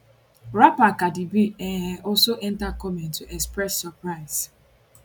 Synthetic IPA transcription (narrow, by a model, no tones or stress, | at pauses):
ɾapakadibiɛɦɛɔsoʔɛntakɔmɛntuɛkspɾɛsːɔpɾaɪz̥